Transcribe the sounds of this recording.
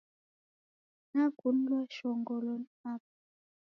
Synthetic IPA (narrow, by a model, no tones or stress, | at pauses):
naɡunlwaʃɔŋɡɔlɔnap̚